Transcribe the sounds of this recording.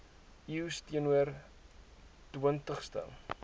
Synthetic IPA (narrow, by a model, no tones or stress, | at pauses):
iwstiənuər | təntəχstə̰